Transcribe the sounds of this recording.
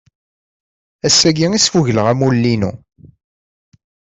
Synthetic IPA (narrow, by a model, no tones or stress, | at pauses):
æsːæɡiŋisfuʝləʁæmulːinṵ